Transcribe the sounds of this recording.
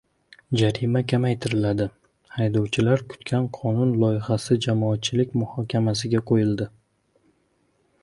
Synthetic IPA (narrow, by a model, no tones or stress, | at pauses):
d͡ʒaɾɪmakʲʰamajt̪ʰɪɾɪlad̪ɪ | hajd̪ɒwt͡ʃʰɪlaɾkʰʊ̥t̪kʲʰanqʰɒnʊnlˠɒjɪhasɪd͡ʒamɒat̪̚t͡ʃʰɪlɪkʲmʊhɒkʲʰamasɪɡʲaqʰojɪld̪ɪ